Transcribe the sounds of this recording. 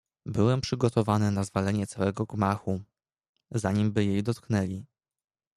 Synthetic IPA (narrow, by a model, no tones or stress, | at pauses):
bɘwɛmpʂɘɡɔt̪ɔvanɘnazvalɛɲɛt̪sawɛɡɔɡmaxu | zaɲimbɘjejd̪ɔt̪knɛlʲi